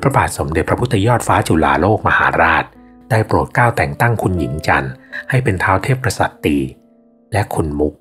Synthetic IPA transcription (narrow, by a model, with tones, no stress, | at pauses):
pʰɾa˧baː˨˩t̪̚so˩˦mde˨˩t̪pʰɾa˦˥pʰu˦˥t̪ʰːa˧jɔː˥˩t̪̚faː˦˥t͡ɕu˨˩la̰ː˨˩loː˥˩k̚ma˧haː˩˦ɾaː˥˩t̪̚ | daː˥˩jpɾu˨˩t̪̚kaː˥˩wt̪ɛː˨˩ŋt̪a˥˩ŋkʰu˧nji˩˦ŋt͡ɕa˧nha˥˩jpe˧nt̪ʰaː˦˥wt̪ʰeː˥˩pːɾa˧sa˨˩t̪ːiː˧ | lɛ˦˥ʔkʰu˧nmu˦˥k̚